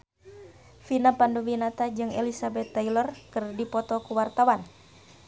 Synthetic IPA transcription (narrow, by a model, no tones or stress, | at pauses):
finapanduwinat̪ad͡ʒɨŋḛlisabɛt̪ːailɔrkɨrdipɔt̪ɔkuwart̪awan